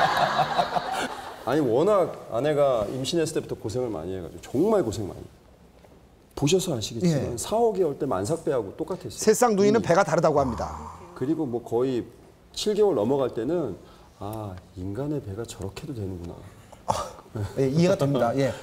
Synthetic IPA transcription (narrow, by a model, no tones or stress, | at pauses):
aɲiwʌnaɡa̰ne̞ɡaimɕʰinesʰɯ̥t͈e̞butʰʌkosʰe̞ŋɯɭma̰ɲiɦeɡa̰d͡ʑot͡ɕʌŋmaɭkosʰeŋma̰ɲḭ | poɕ̬ʰʌsʰʌaɕʰiɡet͡ɕeimansʰaʌɡiʌɭt͈e̞ma̰ns̬ʰak̚p͈e̞ɦaɡot͈ok͈atʰes͈isʰe̞s͈aŋduŋinɯnpe̞ɡataɾɯdaɡohamɲida̰kɯɾiɡomwʌkʌi | t͡ɕʰiɭɡewʌɭnʌmʌɡaɭt͈e̞nɯn | ainɡane̞pe̞ɡat͡ɕʌɾʌkʰedodwe̞nɯnɡuna̰ | je̞iɦeɡatemɲdaje̞